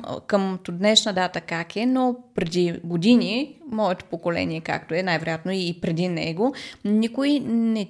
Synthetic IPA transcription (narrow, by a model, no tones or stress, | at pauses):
kəmt̪od̪nɛʃnəd̪at̪əkakɛnopɾɛd̪iɡod̪inʲimɔɛt̪o̥pokolɛ̰niɛka̰k̚t̪oɛnajvɛɾo̰jat̪noipɾɛd̪inɛ̰ɡonikʊjnɛ